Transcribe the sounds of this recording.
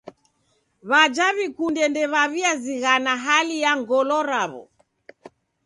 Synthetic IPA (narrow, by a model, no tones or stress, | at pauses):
βad͡ʒaβikundɛndɛβaβiaziɣanaɦalijaŋɡɔlɔɾaβɔ̰